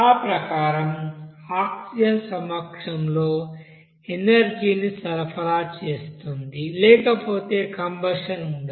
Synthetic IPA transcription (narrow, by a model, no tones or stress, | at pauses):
aːpɾɐkaːɾɐmaːksijɐsɐmɐkʂɐmlo̞ː | enɐɾd͡ʒiːnisɐɾɐpʰɐlaːt͡ʃe̞ːst̪und̪ilɛːkɐpo̞ːt̪e̞ːkɐmbɐʂɐnuɳɖi